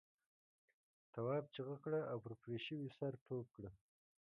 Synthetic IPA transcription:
t̪awɑːb̚t͡ʃiɣakɽəawpəɾpɾeʃəwisaɾʈ̪ʰob̚kɽə

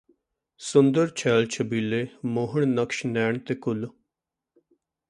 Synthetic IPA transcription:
sʊnd̪əɾt͡ʃʰɛːlt͡ʃʰəbiːleːmoːɦəɳnəkʃnɛːɳt̪eːkʊl

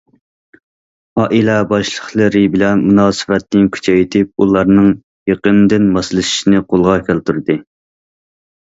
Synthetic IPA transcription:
ɑʔilɛbɑʃlˠəχlˠɨɾɪbɪlɛnmunɑːsɨ̥vɛt̪ːnɪnkʲʰy̥t͡ʃʰɛjt̪ʰɪp̚ulˠɑɾnɨŋ | jeqənd̪ɪnmɑslˠɨʃi̥ʃinɪqʰolˠʁɑkʲʰælt̪uɾd̪ɨ

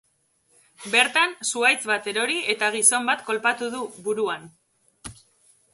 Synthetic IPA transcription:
be̞ɾt̪ansuajt͡sβat̪e̞ɾo̞ɾie̞t̪aɣ̞iso̞mbat̪ko̞lpat̪uðuβuɾuan

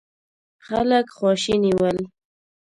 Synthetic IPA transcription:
xa̰ləkxwɑʃiniwəl

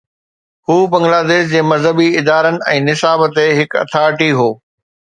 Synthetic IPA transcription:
huːbɐ̃ŋɡlaːd̪eːʃd͡ʑeːmɐzɦəbiɪd̪aːɾənɪ̆ɛ̃ːnɪsaːbət̪eɦɪkɐ̰t̪ʰaːʈiɦoː

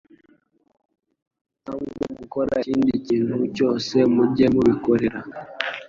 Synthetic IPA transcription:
awuɡoɡukoɾaiːndiciːntuco̞se̞muɟe̞muβikoɾeɾa

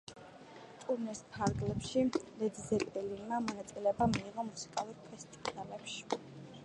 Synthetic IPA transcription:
t̪ʼuɾnɛspʰaɾɡlɛpʃilɛd̪izɛt̪ʼɛlinmamɔnat̪sʼilɛbamiːʁɔmusi̥kʼalˠuɾpʰɛst̪ʼivalɛpʃi̥

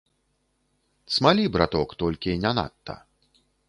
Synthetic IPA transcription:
t̪smalʲibɾat̪ɔkt̪ɔlʲkʲinʲana̰t̪ːɐ̰

